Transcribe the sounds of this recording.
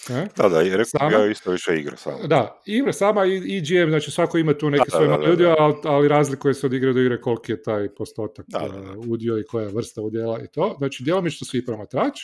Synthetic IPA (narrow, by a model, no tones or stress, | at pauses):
ned̪ad̪a̰ɾeksaːmjaist̪oʋiʃeḭɡɾa̰sa̰ːmd̪a | iɡɾasaːmaiid͡ʒiemznaːt͡ʃisʋako̞imat̪uːnekesʋojemaluːd̪ioalaliɾaːzlikujeseod̪iɡɾad̪oiɡɾeko̞lkijet̪aːjpo̞st̪o̞ːt̪akːud̪ioiko̞jaʋr̩st̪aud̪jelaḭt̪oːznaːt͡ʃid̪jelomit͡ʃnosʋipɾomat̪ɾaːt͡ʃ